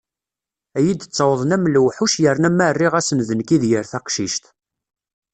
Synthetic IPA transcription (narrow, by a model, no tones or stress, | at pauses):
æjid̪ət͡sːɑwəðˤnæmluwħuʃjəɾnæmærːiʁæsənðənkiðjəɾθæqʃiʃt̪